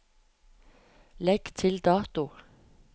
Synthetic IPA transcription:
lɛɡ̥t̪ʰɪld̪ɑːt̪ʊ

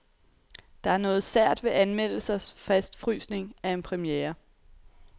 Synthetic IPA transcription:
d̥ɑ̈æɐnɔ̽ːð̞̩ˠsæɐ̰d̥ʋe̝ʔænmel̰l̩sɐsfæsd̥fʁy̰ːsne̝ŋæe̝npʰʁɛmjeːɐ

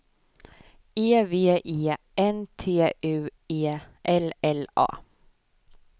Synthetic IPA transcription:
eːveːʔeː | ɛnt̪ʰeːʔʉːeːʔɛlɛlɑ̰ː

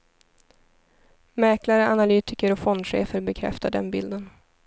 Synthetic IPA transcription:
mɛːklaɾəanalyːt̪ɪkəɾɔfɔnd̪ɧḛːfəɾbɛkʰɾɛ̰ft̪aɖɛnbɪld̪ən

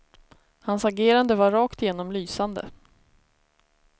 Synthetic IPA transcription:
hansaɡeːɾand̪əvaɾɾɑːkt̪ɪjeːnɔmlyːsand̪ə̰

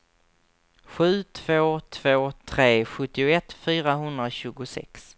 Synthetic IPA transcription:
ɧʉ̟ːt̪ʰv̥oːt̪ʰv̥oːt̪ʰɾeːɧɵt̪ːɪʊɛt̪ːfyːɾaɦɵnd̪ɾaɕʉ̟ːɡʊsɛ̰ks

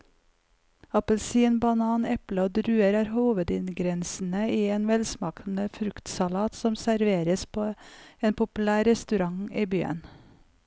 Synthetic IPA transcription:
ɑpəlsiːənbɑnɑːnɛpləoːd̪ɾʉːəɾæːɾhuːʋəd̪ɪnɡɾɛnsn̩əiːeːnʋɛlsmɑːkn̩əfɾʉkt̪sɑlɑːt̪sɔmsæɾʋeːɾəspʰoːeːnpʰʊpʉlæːɾɛst̪ʉɾɑŋiːbyːə̰n

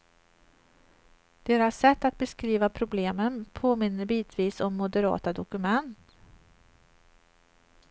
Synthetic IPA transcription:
d̪̥eːɾasːɛt̪ːat̪̚bɛskɾiːvapʰɾʊbleːmənpʰoːmɪnːəɾbiːt̪ʰviːsɔmːʊd̪əɾɑ̰ːt̪ad̪ʊkɵmɛnt̪

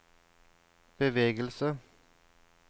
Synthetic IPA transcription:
b̥əʋeːɡəlsə

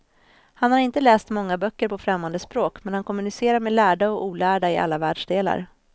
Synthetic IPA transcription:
hanhaɾɪnt̪əlɛːst̪mɔŋːabœkːəɾpʰɔfɾɛmːand̪əspɾoːkmɛnhankʰɔmːɵnɪseːɾaɾmɛlæːɖaɔuːlæːɖaɪʔa̰lːavæːɖʂɖeːla̰ɾ

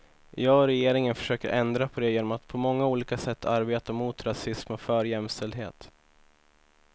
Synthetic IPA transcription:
jɑːɡɔɾɛjeːɾɪŋənfœ̥ʂøːkəɾʔɛnd̪ɾapʰɔd̪ɛjeːnɔmat̪pʰɔmɔŋːauːliːkasɛt̪ʰːaɾbeːt̪amuːt̪ɾasɪsmɔfœːɾjɛmst̪ɛld̪ɦḛːt̪

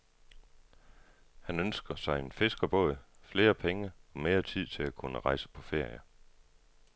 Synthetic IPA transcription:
hænønsɡ̥ɐsɑ̈ɪenfe̝sɡ̥ɐb̥ɔ̰ð̰fle̝ːɐpʰeŋəɒ̽me̝ːɐt͡sʰið̞̰ˠt͡sʰe̝lækʰunəʁɑ̈ɪsə̥pʰɒ̽fe̝ɐ̰jɐ

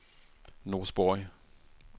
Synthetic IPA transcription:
noːsb̥ɔɪ

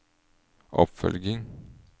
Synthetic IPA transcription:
ʔɔ̰pfœ̰lɡɪŋ

